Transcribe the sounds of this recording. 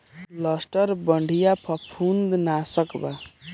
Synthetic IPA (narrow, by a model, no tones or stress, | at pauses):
lʌsʈʌɾbʌɳɖʱijapʰʌpʰund̪nasʌkba